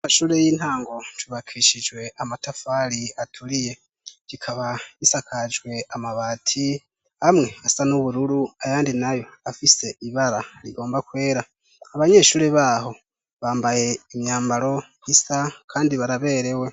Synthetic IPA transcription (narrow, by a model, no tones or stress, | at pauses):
maʃuːɾe̞jiːn̥haːŋɡo̞twuβakʰiːʃid͡ʒwe̞ʔamatafaɾiatʰuɾije̞ | ɡikʰaβaisakʰad͡ʒwe̞amaβatʰi | hamŋe̞asanuβuɾuɾuajaːndinajo̞afise̞iβaɾaɾḭɡo̞ːmbakwe̞ːɾa | aβaɲe̞ːʃuːɾeβaːɦo̞ | βaːmbaje̞imɲaːmbaɾo̞ | hisakʰaːndiβaɾaβe̞ːɾe̞we̞